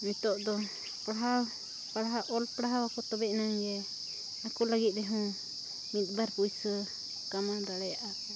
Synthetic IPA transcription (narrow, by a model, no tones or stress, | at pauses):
mit̪ɔʔd̪ɔ | pɽaɦaw | pɽaɦaʔɔlpɽaɦawakɔt̪ɔbɛʔnaŋɡɛ | nakulaɡit̪̚ɾɛɦũ | mit̪̚ˀbaɾpujsə | kamad̪aɽɛjaʔa